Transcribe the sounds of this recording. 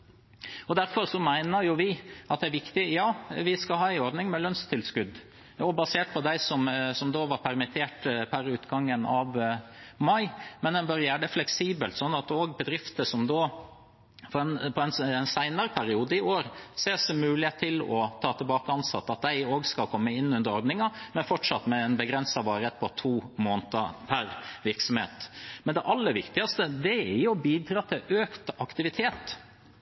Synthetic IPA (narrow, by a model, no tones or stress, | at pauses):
ɔd̪æɾfɔɾsɔmæɪnəɾjʊʋɪʔɑt̪̚ɛæɾʋɪkt̪ɪjɑːʋɪskɑhɑːæɪɔɾɖ̪nɪŋmɛlœnst̪ʰɪlskʉd̪ː | ɔbɑseːʈ̚pʰɔd̪æɪsɔmsɔmd̪oːʋɑɾpʰæɾmɪt̪ʰeːʈpʰæɾʉːt̪ɡɑŋːənɑʋmɑɪmɛnd̪ɛnbœɾjæːɖəflɛksiːbəlt̪sɔnːɑt̪oːɡbəd̪ɾɪft̪əsɔmd̪oː | fɔɾɛnpʰɔɛnnsæɪnɑɾəpʰæɾɪuːd̪əɪoːɾseːsɔmʉːlɪheːt̪ʰːɪlɔ̰t̪ʰɑːt̪ʰɪlbɑːkəɑnsɑ̰t̪ːɑt̪̚d̪æɪoːɡskɑlkʰɔmːəɪnːʉnd̪əɾɔɾd̪nɪŋɑmɛnfɔʈʂɑt̪mɛɛnbəɡɾɛnsɑʋɑːɾət̪̚pʰɔt̪ʰuːmoːnt̪əpʰæɾʋɪɾksɔmhḛːt̪mɛnd̪ɛʔɑlːəɾʋɪkt̪ɪɡɑst̪əd̪ɛɛjʊbiːd̪ɾɑːt̪ʰɪløːkt̪ɑkt̪ɪʋɪt̪ʰeːt̪